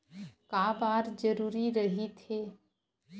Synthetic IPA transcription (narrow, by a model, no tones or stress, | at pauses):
kaːbaːɾd͡ʒəɾuːɾiɾəɦit̪ʰeː